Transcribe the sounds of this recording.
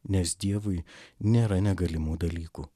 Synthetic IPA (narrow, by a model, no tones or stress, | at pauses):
nʲɛsd̪ʲiɛʋʊɪnʲeːɾɐnʲɛɡɐlʲɪmuːd̪ɐlʲiːkuː